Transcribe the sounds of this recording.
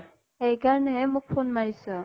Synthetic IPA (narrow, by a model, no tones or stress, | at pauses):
ejkaɹnɛɛmʊk̚pʰonmaɹisɔ